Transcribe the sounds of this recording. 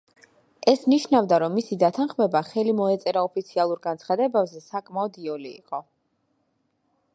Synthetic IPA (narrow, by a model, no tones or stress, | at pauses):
ɛsniʃnavd̪aɾɔmːisid̪at̪ʰanχmɛbaχɛlimɔɛt̪sʼɛɾaɔpʰit̪sʰialˠuɾɡant̪sʰχad̪ɛbɛbzɛsakʼmaɔd̪iɔlḭːqʼɔ